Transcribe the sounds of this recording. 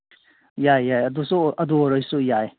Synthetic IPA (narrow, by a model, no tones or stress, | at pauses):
jajːajɐdusuɐduɔɾɔjsujaj